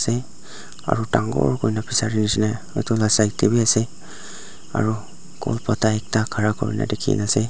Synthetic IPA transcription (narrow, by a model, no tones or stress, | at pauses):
sɛ | a̰ɹutaŋɡɔ̰ɹkojnapisaɹinisina | ɔ̰jtʰɔlasajtebiasɛ | a̰ɹu | kɔ̰lpataɛk̚takʰaɹakɔ̰ɹḭna̰dɛkʰḭnasɛ